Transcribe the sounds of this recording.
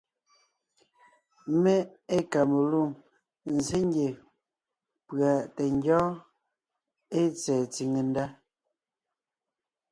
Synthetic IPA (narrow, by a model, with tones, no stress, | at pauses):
mɛ˦e˦ka˨me˨lu˦˨ŋ | n̩˨ze˦ŋ˦ɡje˨ | pɰa˨tɛ˨ŋ˦ɡjɔ̃ː˦ | e˦t͡sɛː˨t͡si˨ŋe˨n˦da˦